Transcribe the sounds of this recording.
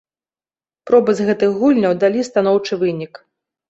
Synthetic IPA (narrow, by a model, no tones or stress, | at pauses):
pɾɔbɨzɣɛt̪ɨxɣulʲnʲɐwd̪alʲist̪an̪ɔwt͡ʂɨvɨnʲik